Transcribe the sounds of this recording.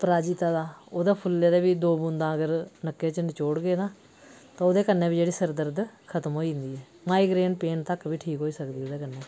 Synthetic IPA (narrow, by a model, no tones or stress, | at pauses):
pəɾaːd͡ʒit̪aːd̪aːoːd̪aːpʰʊleːd̪eːbiːd̪oːbʊ̃nd̪ãːəɡəɾnəkːeːt͡ʃənt͡ʃoːɽɡeːd̪ãː | t̪ãːod̪eːkənːẽːbiːd͡ʒeːɽiːsəɾd̪əɾd̪kʰət̪əmɦoːĩnd̪iːɛː | maːiːɡɾeːnpeːnt̪əkbʱiːʈʰiːkɦoːiːsəkd̪iːod̪eːkənːeː